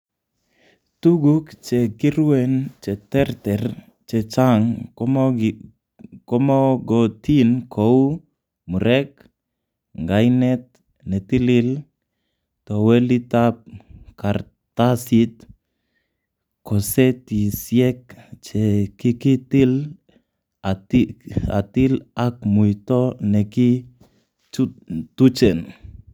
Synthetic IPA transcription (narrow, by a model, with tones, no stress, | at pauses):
t̪u˦ɡu˦kt͡ʃɛ˨kɪ˦ɾwɛ˨nt͡ʃɛ˨t̪ɛ˦ɾt̪ɛr | t͡ʃɛ˨t͡ʃaŋ | kɔ˦mɔ˦ɡɔt̪i˦nkʰo˦w | mu˨ɾɛ˦k | ŋɡajnɛ˦t̪̚ | nɛ˨t̪i˦lɪ˦l | to˨wɛ˦li˦ta˦p̚ka˨ɾ | ta˦si˦t̚ | kɔ˨sɛ˦ti˨sjɛ˦kt͡ʃɛ˨ki˦ki˦ti˦l | ata̰˨t̪i˦la˦k̚mu˨jtɔ˦nɛ˨ki˦ | t͡ʃtu˦t͡ʃɛ˨n